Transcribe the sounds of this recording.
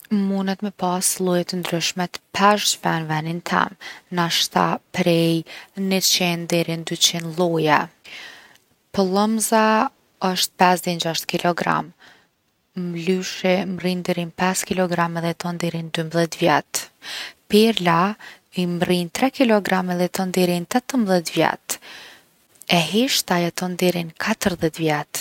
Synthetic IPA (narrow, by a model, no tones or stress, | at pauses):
munɛt̪mɛpaslˠujɛt̪ənd̪ɾyʃmɛt̪pʰɛʃtvɛnvɛnint̪ʰɛ̰mnaʃt̪a̰pɾɛjnət͡ɕɛnd̪ɛɾind̪yt͡ɕinlˠujɛ | pɔlˠəmza | əʃt̪̚pɛsd̪ɛnd͡ʒaʃt̪kilɔɡɾa̰m | mlyʃɛmrind̪ɛɾinpɛskilɔɡɾamɛðɛt̪ɔnd̪ɛɾind̪ymbðɛt̪vjɛt̪ | piɾla | imrint̪ɾɛkilɔɡɾamɛðɛt̪ɔnd̪ɛɾint̪ɛt̪əmbðɛt̪vjɛ̰t̪ | ɛɦiʃt̪ajɛt̪ɔnd̪ɛɾinkʰat̪əɾðɛt̪vjɛt̪